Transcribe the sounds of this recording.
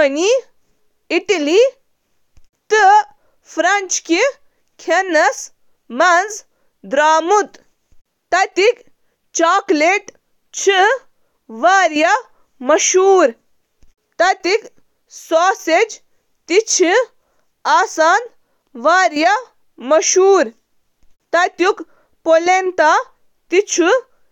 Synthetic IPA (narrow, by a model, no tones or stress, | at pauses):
ni | iʈɐli | t̪ɨ | fʰɾɐnt͡ʃki | kʰenɐs | mɐnz | d̪ɾaːmut̪ | t̪ɐt̪ik | t͡ʃaːkleʈ | t͡ʃʰi | ʋaːɾjɐ | mɐʃuːɾ | t̪ɐt̪ik | soːsed͡ʒ | t̪it͡ʃʰi | aːsaːn | ʋaːɾjɐ | mɐʃuːɾ | t̪ɐt̪juk | polent̪a | t̪it͡ʃʰu